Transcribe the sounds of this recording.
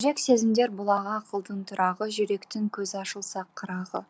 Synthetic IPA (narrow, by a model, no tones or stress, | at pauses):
ʒɾe̞kse̞zɪmd̪e̞ɾbʊlˠɑʁɑqʰəlˠd̪əɴt̪ʰʊɾʔɑʁəʒʏɾe̞kt̪ɪŋkʲʰɵzɑʃəlˠsɑqʰːəɾɑʁə